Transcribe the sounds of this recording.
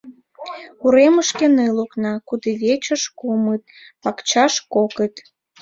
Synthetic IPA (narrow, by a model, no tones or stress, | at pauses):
uɾeməʃkeneluknɑkud̪eβet͡ɕəʃkumət̪̚ | pɑkt͡ɕɑʃkokət̪